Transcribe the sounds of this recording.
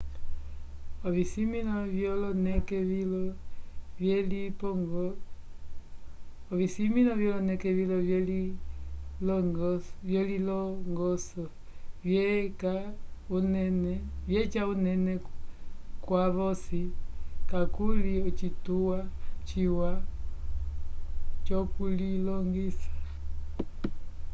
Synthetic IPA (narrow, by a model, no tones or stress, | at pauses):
ɔβisiminɔvjɔlɔnɛkɛil | ɛlipɔɡ | ɔβisiminɔvjɔlɔnɛkɛβilɔli | lɔvjɔlilɔŋɡɔsɔ | vjɛkaunɛnɛvjɛt͡ʃaunɛnɛ | kwaβɔsikakuliɔt͡ʃituwat͡ʃiwa | t͡ʃɔkulilɔŋɡisḁ